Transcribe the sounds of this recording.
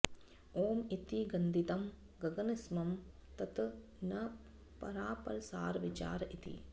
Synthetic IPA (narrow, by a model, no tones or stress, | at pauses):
oːmit̪iɡɐnd̪it̪ɐm | ɡɐɡɐnismɐmt̪ɐt̪ | nɐ | pɐ̰ɾaːpɐ̰ɾɐsaːɾʋit͡ʃa̰ːɾɐʔit̪ḭ